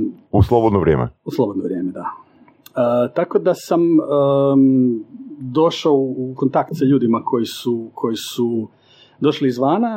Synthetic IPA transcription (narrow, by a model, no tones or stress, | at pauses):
uslˠobod̪noʋɾʲjeːmḛuslˠobod̪noʋɾje̞ːmed̪a | ət̪ako̞d̪asamə | d̪o̞ʃaouko̞nt̪akt̪saʎuːd̪imakʰo̞jisukʰo̞jisu | d̪o̞ʃliːzʋaːna